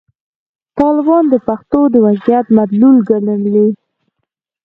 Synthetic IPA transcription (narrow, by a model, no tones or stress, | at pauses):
t̪ɑlɪbɑnd̪əpaxt̪od̪əwazijat̪mat̪lulɡaləmli